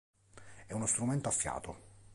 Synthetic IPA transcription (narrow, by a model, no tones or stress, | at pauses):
ɛunost̪ɾument̪oafːja̰ːt̪o